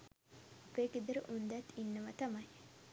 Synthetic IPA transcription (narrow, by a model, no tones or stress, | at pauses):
ɐpeːked̪əɾəʔund̪æt̪ːinːɐʋɐt̪ɐmɐj